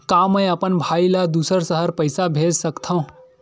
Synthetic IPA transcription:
kaməjəpənbʱailad̪usəɾsəɦəɾpəjsabʱed͡ʒsəkt̪ʰəũ

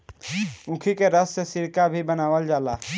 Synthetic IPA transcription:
ũkʰikeɾəssesɪɾkabʱibənaːʋəld͡ʒaːlaː

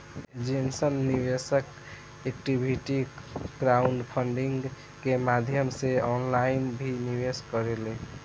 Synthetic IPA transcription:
d͡ʒensənːibesək | ekʈibʱiʈiɡɾauɳɖpʰəɳɖiŋɡ | kemad̪ʱjəmseɔnlajinbʱiniβeskəɾele

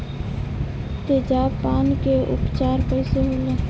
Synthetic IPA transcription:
t̪eːd͡ʒaːpaːnkeʔʊ̰pt͡ʃaːɾpəɪseɦoːleː

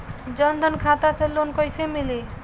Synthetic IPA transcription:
d͡ʒɔnd̪ʱɔnkʰat̪aselonkojsemili

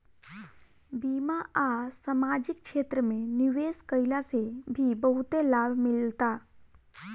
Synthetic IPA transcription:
biːmaʔasamaːd͡ʒɪk̚ʃeːt̪ɾəmẽniʋeːskəɪlasebʱibəɦut̪elaːbʱmɪlt̪a

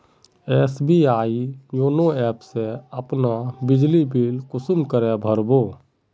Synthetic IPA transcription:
esbiaːijoːnoɛpseəpnabɪd͡ʒlibilkʊsumkəɾɛbʱəɾbo

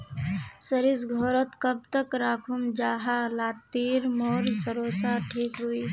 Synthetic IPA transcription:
səɾisɡʱɔɾət̪kəb̚t̪əkɾakʰumd͡ʒaːɦalat̪ːiɾmɔɾsəɾosaʈʰikɦuj

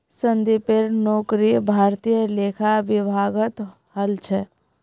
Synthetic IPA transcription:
sənd̪ipeɾnɔːkɾibʱaːɾt̪ijəleːkʰaʋɪbʱaːɡət̪ | həlt͡ʃʰɛ

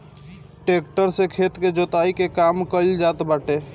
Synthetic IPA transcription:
ʈek̚ʈəɾsẽkʰet̪ked͡ʒot̪aikekamkəld͡ʒat̪baʈe

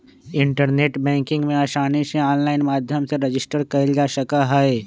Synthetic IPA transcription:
ɪɳʈəɾneːʈbɛ̃ːŋkɪ̃ŋɡmẽaːʃaːniʃẽɔːnlaːɪnmaːd̪ʱjəmseɾɐd͡ʒɪsʈəɾkɐɪld͡ʒaːʃəkaɦɛe

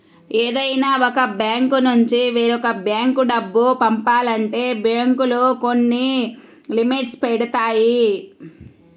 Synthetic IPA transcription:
eːd̪ɐjnaːɔkɐbjaːŋkunuɲt͡ʃiʋiːɾɔkɐbjaːŋkuɖɐbːupɐmpaːlɐɳʈe̞ːbjaːŋkuluko̞nːi | limiʈspɛɽɐt̪aːji

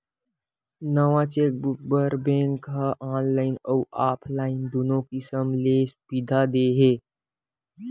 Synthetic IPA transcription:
nəʋãt͡ɕek̚buk̚bəɾbẽŋkɦaʔaːnlainəwʔaːpʰlaind̪onokisəmlesubid̪ʱad̪eɦe

